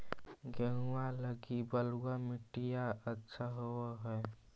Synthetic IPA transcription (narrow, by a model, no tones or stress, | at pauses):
ɡəɦualəɡibəluwamɪʈijaʔətːʃʰaɦoɦɛː